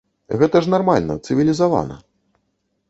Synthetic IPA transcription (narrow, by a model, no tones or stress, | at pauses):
ɣɛt̪ɐʐnarmalʲnɐ̰t̪sɨvʲilʲizava̰nɐ̰